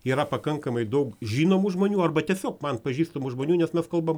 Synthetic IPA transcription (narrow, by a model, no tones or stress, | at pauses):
iːɾɐpɐkɐŋkɐmɐɪd̪ɐʊkʒʲiːnoːmuʒmoːnʲuːɐrbɐt̪ʲiɛsʲoːkmɐnpɐʒʲiːst̪oːmuʒmoːnʲuːnʲɛsmʲɛskɐlˠbɐm